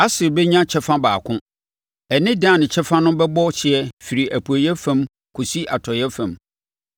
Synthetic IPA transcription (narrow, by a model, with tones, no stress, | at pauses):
a˦sɪ˨bɛ˦ɲã˦t͡ɕʰɛ˦fã˦baː˨kʰʊ̃˦ | ɛ˨nɪ̃˦dãː˦˨nɪ̃˨t͡ɕʰɛ˦fã˦nʊ̃˦bɛ˦bɔ˦ɕɪ˨ɛ˦fi˨ɾi˨ʔæ˨pʰu˨æ˨jɛ˦fã˨m | kʰu˨si˦ʔa˨tʰɔ˨jɛ˦fã˨m